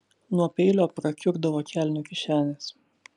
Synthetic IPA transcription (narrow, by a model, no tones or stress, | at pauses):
nuɔpʲɛɪlʲoːpɾɐkʲʊɡd̪ɐʋoːkʲælʲnʲʊkʲɪʃʲæːnʲes